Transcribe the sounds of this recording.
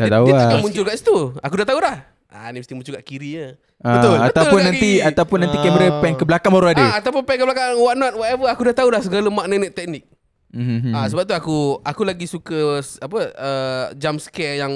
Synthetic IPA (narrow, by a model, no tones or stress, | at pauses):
dat̪auakamũɲt͡ʃʊlkaʔsi̥t̪uakudaht̪aulah | ʔa̰niməst̪imũɲt͡ʃukaʔkiɾiə | aət̪ʊlːbət̪alpʊnːaniat̪aupʊnːant̪ikɛməɾəpɛnkəblakanmaɾuadəat̪awpʊnpɛnkəblakaŋwaʔnɔt̪̚wɔtɛvəakudaht̪aulahsəɡaləmaʔnanɛt̪ːɛk̚nɪk̩̚ | asəbap̚t̪uakuakulaɡisukəapəəd͡ʒamskɛjaŋ